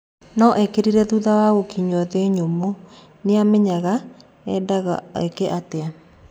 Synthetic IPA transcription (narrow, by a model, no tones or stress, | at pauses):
nɔʔɛkeɾiɾɛðuðawaɣokiɲwɔðeɲomo | neamɛɲaɣa | ɛ̰daɣa̰ḛkɛʔatea